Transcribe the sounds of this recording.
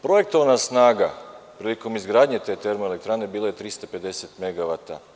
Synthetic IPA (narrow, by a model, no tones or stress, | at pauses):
pɾoje̞k̚t̪o̞ʋanasnaːɡapɾiliko̞mizɡɾaːd̪ɲet̪e̞ːt̪e̞ɾmoelekt̪ɾaːne̞biːlˠoje̞t̪ɾist̪ape̞d̪e̞set̪me̞ɡaʋat̪a̰